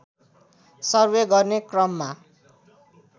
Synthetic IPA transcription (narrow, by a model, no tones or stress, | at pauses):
sʌrbeɡʌrnekrʌmːa